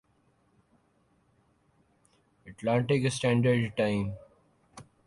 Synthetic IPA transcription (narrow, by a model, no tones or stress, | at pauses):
əʈlãːɳʈeːkesʈæ̃ːɳɖəɾɖʈãɪ̃m